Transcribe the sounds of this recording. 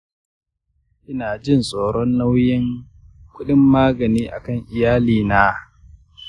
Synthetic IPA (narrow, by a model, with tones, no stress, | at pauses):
ʔɪ˦naː˨d͡ʒɪ˦˨nsʼoː˨ɽɔ˦nla˦wjɪ˦ŋ | kʷʊ˦ɗɪ˦mːaː˦ɡɐ˨niː˦ʔa̰˨kɐ˦˨ŋʔɪ˨jaː˦liː˨naː˦